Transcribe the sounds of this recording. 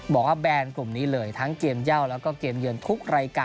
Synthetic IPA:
bɔː˨˩k̚waː˥˩bɛː˧nklu˨˩mniː˦˥lɤː˧jt̪ʰa˦˥ŋke˧əmja˥˩wlɛː˦˥wkɔː˥˩keː˧mjɯ˧nt̪ʰu˦˥k̚ɾaː˧jkaː˧

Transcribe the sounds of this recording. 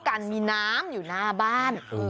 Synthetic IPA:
ka˧nmiː˧naː˦˥mjuː˨˩naː˥˩baː˥˩n

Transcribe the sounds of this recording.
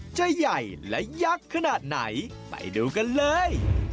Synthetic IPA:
t͡ɕa˨˧ja˨˩jlɛ̰˦˥ja˦˥kʰːa˧naː˨˩t̪̚na̰˩˦j | ma̰˨˩jduː˧ka˧nlɤː˧j

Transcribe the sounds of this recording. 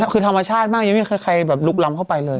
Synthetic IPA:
kʰɯː˧t̪ʰa˧mːa˧t͡ɕʰaː˥˩t̪̚maː˥˩kja˧ŋmi˥˩kxɤː˧˩kʰa˧jbɛː˨˩p̚lu˦˥˩k̚la˧mkʰa˥˩pa˧jlɤː˧j

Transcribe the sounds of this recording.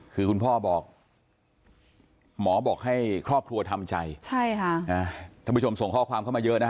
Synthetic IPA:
kʰɯː˧kʰu˧npʰɔː˥˩bɔː˨˩k̚ | mɔː˩˦bɔː˨˩k̚ha˥˩jkʰɾɔː˥˩p̚kʰɾu˧ɐt̪ʰa˧mt͡ɕa˧jt͡ɕʰa˥˩jkʰa˥˩ʔaː˧˩t̪ʰaː˥˩pu˥˩t͡ɕo˧mso˨˩ŋkʰɔː˥˩kʰwaː˧mkʰa˥˩maː˧jɤ˦˥ʔna˦˥

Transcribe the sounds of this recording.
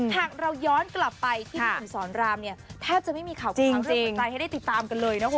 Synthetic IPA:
hʰaː˨˩k̚ɾa˧wjɔː˦˥nkla˨˩pːa˧jt̪ʰiː˥˩ɯ˩˦sɔː˩˦nɾaː˧mni˥˩ɐt̪ʰɛː˥˩p̚t͡ɕa˨˩ʔma˥˩jmiː˧kʰaː˨˩wt͡ɕi˨˧˩ŋɾt͡ɕi˨˧ŋt̪aː˧jɦjda˥˩t̪i˨˩t̪ːaː˧mka˧nlɤː˧jna˦˥o˧˦˩

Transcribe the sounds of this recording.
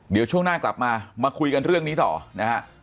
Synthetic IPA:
di˨˩˦wt͡ɕʰu˥˩əŋnaː˥˩kla̰˨˩p̚maː˧maː˧kʰu˧jka˧nɾɯ˥˩əŋniː˦˥t̪ɔ̰ː˨˩na˦˥ha˦˥ʔ

